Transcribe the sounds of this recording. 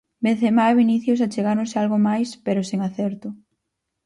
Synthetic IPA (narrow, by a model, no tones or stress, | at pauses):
beθemaβiniθjos̬at͡ʃeɣaɾʊŋsealɣomajspeɾʊseŋaθɛɾt̪ʊ